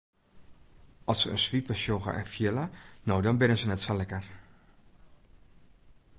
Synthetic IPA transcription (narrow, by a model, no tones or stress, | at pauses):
ɔsəə̰nsʋipəʃjoɣə̰ʔɛ̰nfjɪlənowdɔnbɪnəsənɛtsolɛkər